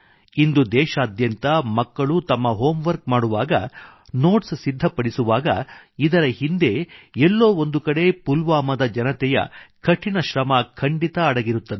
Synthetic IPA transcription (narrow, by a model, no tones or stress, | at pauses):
ind̪ud̪ɛːʃaːd̪jɐnt̪ɐmɐkːɐɭut̪ɐmːɐɦoːmʋɐɾk̚maːɽuʋaːɡɐ̰ | no̞ːʈssid̪ʱːɐpɐɽisuʋaːɡɐid̪ɐɾɐhind̪e̞ɛlːo̞ːond̪ukɐɽe̞pulʋaːmɐd̪ɐd͡ʒɐnɐt̪ɛjɐ̰kʰɐʈʰinɐʃɾɐmɐkʰɐɳɖit̪ɐːɽɐɡiɾut̪ːɐd̪e